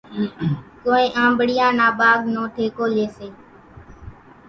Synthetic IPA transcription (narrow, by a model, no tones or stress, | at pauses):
koːẽːʔãːmbəɽɪjãːnaːɓaːɠnõːʈʰeːkoːleːseː